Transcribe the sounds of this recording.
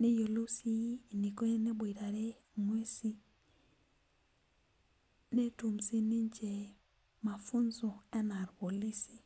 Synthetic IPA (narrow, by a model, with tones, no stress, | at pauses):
ne˦jo˨lo˦si˦˨ni˨ko˦e˦ne˦bwi˨ɾa˨ɾe˦ | ŋwe˦si˦ | ne˦tu˨msi˦ni˦ɲt͡ʃe˨ | ma˨fu˦nzo˨ɛ˦na˨ɾpo˨li˦si̥˨